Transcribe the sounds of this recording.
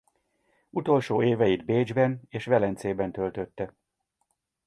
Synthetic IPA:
ut̪o̞lʃoːeːvɛjid̪beːd͡ʒbɛneːʃʋɛlɛnt̪seːbɛnt̪ø̞lt̪øt̪ːɛ

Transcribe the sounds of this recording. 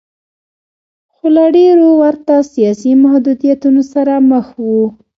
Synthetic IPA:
xolaɖeɾowaɾt̪asijɑsimahd̪ud̪ijat̪unosaɾaməxwu

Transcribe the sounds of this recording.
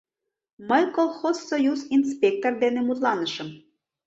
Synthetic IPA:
məjkolˠxozːojuzins̬pʲek̚t̪ord̪enemut̪lɑnəʃə̆m

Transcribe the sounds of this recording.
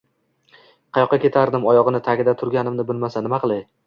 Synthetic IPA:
qʰɑjɒqːɑkʲet̪ʰaɾd̪ɪmɒjɒʁɨnɪt̪ʰaɡʲɪd̪at̪ʰʊɾɡʲanɪmnɪbɪlmasanɪmaqʰɨlˠaj

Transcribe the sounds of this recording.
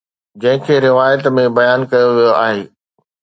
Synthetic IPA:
d͡ʑɐ̃ɦɪ̃kʰeːɾɪʋaːjət̪mẽbɐjaːnkɐjoʋijoa̰ːɦeː

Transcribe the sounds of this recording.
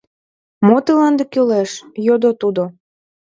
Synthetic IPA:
mot̪əlɑnd̪ekøleʃjod̪ot̪ud̪o

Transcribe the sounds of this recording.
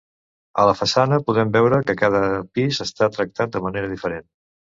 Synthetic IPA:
ə̰ləfəsanəpuðɛmbɛwɾəkəkaðəpizəst̪at̪ɾək̚t̪at̪̚d̪əməneɾəðifəɾen

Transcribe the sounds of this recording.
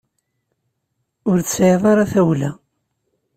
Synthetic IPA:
ʊɾθsʕeðˤɑɾˤɑθæwlæ

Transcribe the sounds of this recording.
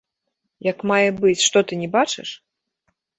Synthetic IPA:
jɐkmajɛbɨt͡sʲʂt̪ɔt̪ɨnʲɛbat͡ʂɨ̰ʂ

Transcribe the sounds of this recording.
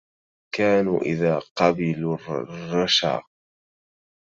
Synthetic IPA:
kaːnuːʔɪ̰ðaːqɑbɪlrrˤːɑʃa̰ːq

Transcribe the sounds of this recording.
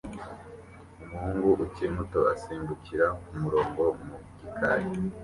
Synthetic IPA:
umuhuːŋɡuʔucimutoʔasiːmbuciɾakumuɾo̞ːŋɡo̞muɡikʰa̰ɾi

